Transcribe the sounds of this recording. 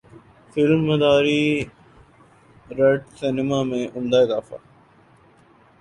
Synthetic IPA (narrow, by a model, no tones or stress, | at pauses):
fɪlmːɐd̪aːɾiː | ɾeɖsɪnɪmaːmẽʔʊmd̪aːɪzaːfa̰ː